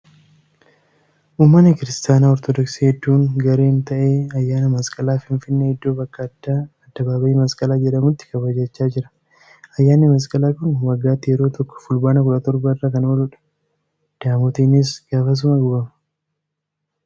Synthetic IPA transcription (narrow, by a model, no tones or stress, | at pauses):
ʔuːmːɐnːɪkɪɾɪst̪aːnaːɔɾt̪ɔd̪ɔksiːhɛd̪ːuːŋɡɐɾe̞ːnt̪ɐʔe̞ːɐjːaːnɐmɐskʼɐlaːfɪnfɪnːɛɪd̪ːo̞ːbɐkːaːd̪aɐd̪̥ːɐbaːbɐʔiːmɐskʼɐlaːd͡ʒɛᶑɐmʊt̪ːɪ̥kɐbɐd͡ʒɐt͡ʃːaːd͡ʒɪɾɐ̥ | ɐjːaːnːɪmɐs̬kʼɐlaːkʊnwɐɡːaːt̪ːɪjɛɾo̞ːt̪ɔkːɔ̥fʊlbaːnɐkʊɾɐt̪ɔɾbɐɪrːɐkɐnoːlʊᶑɐ̥ | d̪̥aːmɔt̪iːnɪs̬ɡ̥aːfɐs̬ʊmɐɡʊbɐmɐ̥